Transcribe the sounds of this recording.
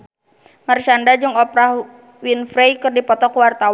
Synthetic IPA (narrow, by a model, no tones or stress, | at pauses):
mərt͡ʃandad͡ʒɨŋɔpɾah | winfɾɛjkɨrdipɔt̪ɔkuwart̪aw